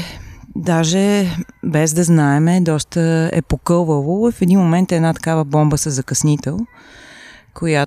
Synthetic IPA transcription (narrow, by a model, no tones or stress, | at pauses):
d̪aʒɛbɛzd̪ɐznaɛmɛd̪ɔst̪əɛ̰pokɤlˠvəvofɛd̪inmomɛnt̪ɛnat̪ɐ̥kavəbɔmbəsəzɐkɐsnit̪ɛlˠ | kʰoja